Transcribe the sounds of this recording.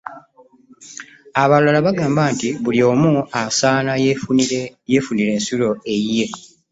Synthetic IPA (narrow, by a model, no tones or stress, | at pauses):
aβalalaβaɡaːmbaːntiβulio̞ːmuasaːna | je̞ːfuniɾe̞ːnsulo̞e̞jːe̞